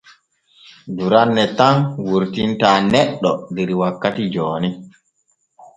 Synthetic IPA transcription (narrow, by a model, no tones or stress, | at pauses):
duɾanːɛtanwuɾtintaːnɛɗːɔdɛɾwakːatid͡ʒɔːni